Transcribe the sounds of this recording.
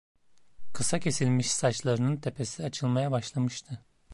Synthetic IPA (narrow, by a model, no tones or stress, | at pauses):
kʰɯsacʰe̞silʲmiʃsat͡ʃlˠaɾɯnɯnt̪ʰe̞pʰe̞siat͡ʃʰɯlˠmajabaʃlˠamɯʃt̪ʰɯ